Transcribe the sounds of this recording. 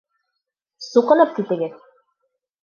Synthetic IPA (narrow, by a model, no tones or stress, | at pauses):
suqɤ̆nɤp̚kit̪ɘ̆ɡɘð